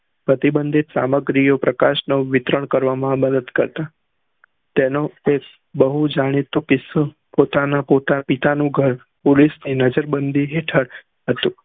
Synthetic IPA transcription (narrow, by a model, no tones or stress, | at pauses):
pɾət̪ibənd̪ʱit̪sa̰məɡɾijopɾəkaʃnoʋɪt̪ɾəɳkəɾʋamãbəd̪əd̪kəɾt̪a | t̪enoe | bəɦud͡ʒaɽ̃it̪okɪs | pot̪anapot̪apɪt̪anũɡʱəɾ | polisninəd͡ʒəɾbənd̪ʱiɦeʈʰəɽ | ɦət̪ũ